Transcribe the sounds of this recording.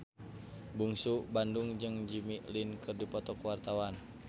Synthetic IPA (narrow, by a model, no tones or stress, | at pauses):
buŋsubanduŋd͡ʒɨŋd͡ʒimiʔlinkɨrdipɔt̪ɔkwart̪awan